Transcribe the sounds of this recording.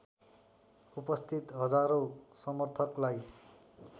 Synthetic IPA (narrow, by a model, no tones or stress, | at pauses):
upʌst̪ʰit̪ɦʌd͡zaɾosʌmʌrt̪ʰʌklaj